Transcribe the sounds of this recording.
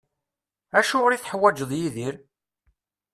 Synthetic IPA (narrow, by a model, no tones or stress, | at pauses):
æʃʊʁɾiθħəwːæd͡ʒəðˤjiðiɾ